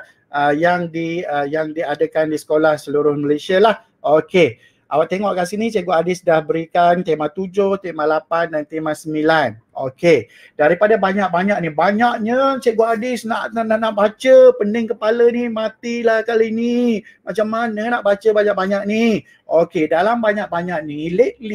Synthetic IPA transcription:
əjaŋdiəjaŋdiadəkandisə̥kolahsəluɾʊhməlesialah | oke | ʔawaʔt̪eŋɔʔkasinit͡ʃeʔɡoadɪsdahbəɾikant̪emãt̪ud͡ʒʊht̪emãlapandant̪emãsəmilanʔoke | daɾipadabaɲak̚baɲak̚nibaɲaʔɲət͡ʃeʔɡoadɪsnaʔnaʔnaʔbat͡ʃəpəndɪŋkəpalənimat̪ilahkalinimat͡ʃamːanənaʔbat͡ʃəbaɲak̚baɲak̚ni | okedalambaɲak̚baɲaʔ̚nileʔ̚li

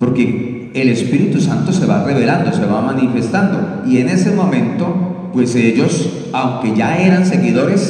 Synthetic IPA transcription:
po̞ɾke̞ː | le̞spiɾit̪usant̪o̞se̞βare̞βe̞land̪o̞se̞βamanife̞st̪and̪o̞̰ | ie̞ne̞se̞mo̞mẽ̞nt̪o̞pwe̞seʝo̞s | awŋke̞ʝae̞ɾanse̞ɣiðo̞ɾe̞s

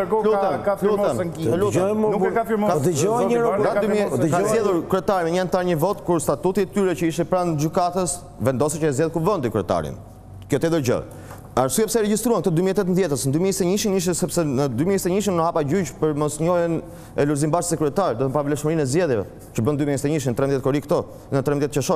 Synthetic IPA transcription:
lut̪ɛnalut̪ɛnltɔɛɔnɛkafiɾmɔɔd̪əd͡ʒɔɛɲəɾɔdadymiəzɛðuɾkɾuɛt̪aɾimɛɲəant̪aɾɲəvɔt̪kuɾst̪at̪ut̪iɛt̪yɾɛt͡ʃəiʃt̪ɛpɾand͡ʒykat̪əs | vɛnd̪ɔsɛt͡ʃəazjɛðɛkuvɔnd̪ikɾɛt̪a̰ɾḭn | kjɔt̪ɛðəɾd͡ʒə̰ | aɾsuɛpsɛɾɛd͡ʑist̪ɾuankt̪ɔd̪ymiɛt̪ɛt̪ənðjɛt̪əsnd̪ymiɛst̪ɛɲiʃiniʃ̬ɛsɛpsɛnəd̪ymiɛst̪ɛɲiʃ̬innəhapad͡ʑyt͡ʃpəɾmɔsɲɔjən | ɛluɾzimbaʃsəkɾuɛt̪aɾd̪ɔt̪əmpavlɛʃməɾinɛzd͡ʒɛðjɛvɛ̰ | t͡ʃəbənd̪ymiɛst̪ɛɲiʃ̬int̪ɾɛmjɛt̪kɔɾikt̪ɔ | nət̪ɾɛmjɛt̪t͡ʃəʃɔ

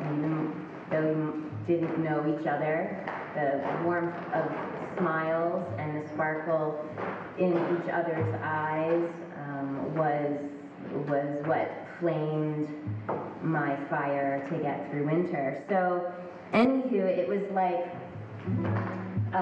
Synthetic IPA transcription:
iðɨ̃n | ðoʊjɨ | d̥ɪdⁿn̩noʊit͡ʃʌðə˞ | ðɨwɔɹmθ | ʌv̥smaɪlˠzɨ̃nðɨspɑɹkʰl̩ˠ | ʔɪ̃nit͡ʃʌ̰ðə˞zaɪz | wʌz | wʌzwʌt̚flẽɪ̃nd | maɪfaɪə˞ɾɨɡɛt̪̚θɹʉwɪ̃ntʰə˞soʊ | ʔɛ̃nhʉɪʔwʌzlaɪk

